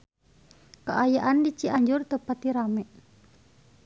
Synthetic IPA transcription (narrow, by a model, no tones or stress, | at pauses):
kaʔajaʔandit͡ʃiʔaɲd͡ʒʊrt̪əpat̪iɾamɛ